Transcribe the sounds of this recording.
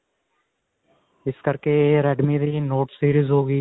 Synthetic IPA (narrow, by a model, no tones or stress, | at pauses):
ɪskəɾkeɾɛːɖmiːɾiːnoːʈsiːɾizɦoːɡiː